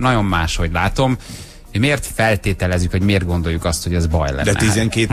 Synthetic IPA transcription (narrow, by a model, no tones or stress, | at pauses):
nɒɟo̞mːaːʃho̞ɟlaːt̪o̞m | hmeːrt̪fɛlt̪eːt̪ɛlɛzykʋɒɟmeːrt̪ɡo̞nd̪o̞jːukɒst̪ho̞ɟɛzbɒ̰jlɛ̰nd̪ɛnizɛŋkeː